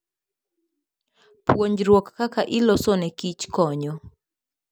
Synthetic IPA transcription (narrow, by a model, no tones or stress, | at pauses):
pwoɲd͡ʒɾwɔkːakaʔɪlɔsonɛkit͡ʃkɔɲɔ